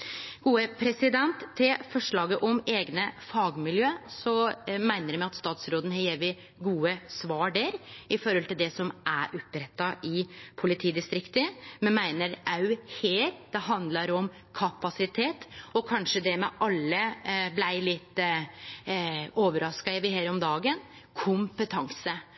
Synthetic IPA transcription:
ɡ̥uːəpʰɾɛsɪd̪ɛnt̪ʰːɪlfɔʂɭɑːɡəʔɔmeːɡnəfɑːɡmɪljøːsɔmæɪnəɾmɛɪɑt̪st̪ɑːt̪sɾoːd̪ən̩hɑɾjeːʋɪ | ɡuːəsʋɑːɖəɾɪfɔɾhɔlt̪ɪld̪ɛsɔmʔæʔɔpɾɛt̪ːɑʔɪpʰʊlɪt̪ʰiːd̪ɪst̪ɾɪkt̪əmɛnmæɪnəɾʔɑʉheːɾd̪̥ɛɦɑnd̪lɑɾɔm | kʰɑpɑsɪt̪ʰeːt̪ɔkʰɑnʂəd̪ɛmɛʔɑlːəblæɪlɪt̪ː | oːʋəɾɑskɑɛʋɪheːɾɔmd̪ɑːɡən | kʰʊmpət̪ʰɑŋsə

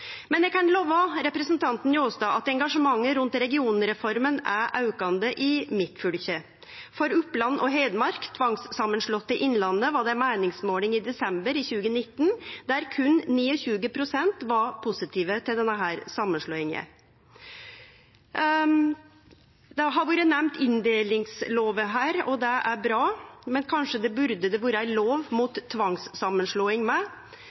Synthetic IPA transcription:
mɛnɛɡkʰɑnloːʋɑɾɛpɾəsnt̪ʰɑnt̪n̩ɪoːsd̪ɑːɑt̪̚d̪ɛŋɡɑʂəmɑŋːəɾʉnt̪ɾɛɡɪuːnɾɛfɔɾmənæʔɑʉkɑnd̪əʔɪmɪt̪fʉlçə | fɔɾʉplɑnːʔɔɦeɪd̪əmɑɾkt̪ʰʋɑŋssɑmːənʂɭɔt̪ːəʔɪnlɑnːəʋɑɖɛmæːnɪŋsmoːlɪŋɪd̪ɛsɛmbəɾiːçʉːɡənɪt̪ːnd̪̥æɾkʰʉnniːɔɕʉːɡəpʰɾʊsɛnt̪ʋɑpʰʊsɪt̪ʰiːʋət̪ʰɪld̪ɛnːəɦæːɾsɑmːənʂloːɪŋə̰ | d̪ɛɦɑɾʋuːɾənɛmt̪ɪnd̪eːlɪŋsloːʋəɦæːɾɔd̪ɛʔæɾbɾɑːmɛnkʰɑnʂəd̪ɛbʉɾd̪əd̪ɛʋuːɾəæɪloːʋmuːt̪ʰːʋɑŋsːɑmːənʂɭoːɪŋmɛ

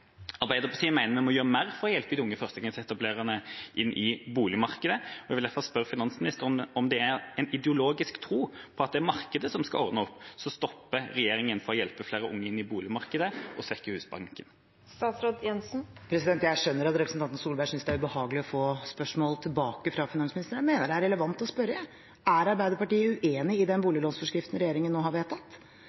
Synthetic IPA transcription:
ɑʁbæɪəʁpɔsiːmæɪnəɾmɛmɔjøːʁəmæːɾfɔʁɔjɛlpəd̪iʊŋːəfœʁst̪əɡɑŋət̪ɛt̪ɑbleːʁənəʔɪnːʔɪbuːlɪmɑʁkəd̪əɔɛʋɪld̪æfɑlspœɾəfɪnɑnsmɪnɪst̪əɾɔmd̪ɛæɛnɪd̪ɛʊloːɡɪskt̪ʰɾuːpʰɔɑt̪̚d̪ɛæɾmɑʁkəd̪əsɔmskɑ̰ɔʁd̪əɔpːsɔst̪ɔpːəɾɛjeːɾɪŋənfɔɾɔjɛlpəfleːɾəʔʊ̰ŋːəɪnːɪbuːlɪmɑʁkəd̪əʔɔsʋɛkːəhʉːsbɑ̰ŋkən | st̪ɑːt̪sɾoːd̪jɛnsn̩pʰɾɛsɪd̪ɛnt̪jæɪʂœnːəɾɑt̪ɾɛpɾəsn̩ɑnt̪nsuːlbæɪsʏnsd̪ɛæɾʉbəhɑːɡəlɪɔfoːspœʂmoːlt̪ʰɪlbɑːkəfɾɑfɪnɑnsmnɪst̪əɾəmeːnəɖɛæɾɛləʋɑnt̪ɔspœɾə | æɾɑɾbæɪd̪əɾpɑʈiːəʉʔeːnɪɪd̪ɛnbuːlɪloːnsfɔʂkɾɪft̪n̩ɾɛjeːɾɪŋənnoːhɑɾʋeːt̪ɑt̪

